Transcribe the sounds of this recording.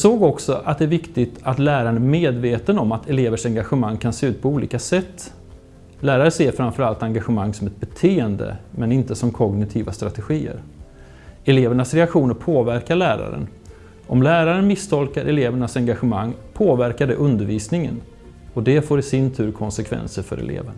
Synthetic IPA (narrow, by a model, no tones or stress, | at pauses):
soːɡɔksɔʔat̪̚d̪ɛæɾvɪkt̪ɪɡt̪ʰat̪læːɾaɾəɳæmeːd̪veːt̪ənɔmat̪ʰɛleːvəʂɛŋɡaɧəmaŋːkʰanseːʉ̟ːt̪̚pʰɔuːlḭːkasɛt̪ː | læːɾaɾəseːɾfɾamfœɾalt̪aŋɡaɧəmaŋːsɔmɛt̪̚bɛt̪ʰeːənd̪ə̰mɛnɪnt̪əsɔmkʰɔɡnɪt̪ʰiːvast̪ɾat̪ɛɧiːə̰ɾ | ɛleːvəɳasɾɛakɧuːnəɾpʰoːvæɾkaɭæːɾa̰ɾə̰n | ʔɔmlæːɾaɾənmɪst̪ʰɔlkaɾʔɛleːvəɳasɛŋɡaɧəmaŋːpʰoːvæɾkaɖɛ̰ʔɵnd̪əɾviːsnɪŋə̰n | ɔd̪ɛfoːɾɪsɪnt̪ʰʉ̟ːɾkʰɔnsɛkʰvɛ̰nsəɾfœ̰ɾɛ̰lḛːvəɳ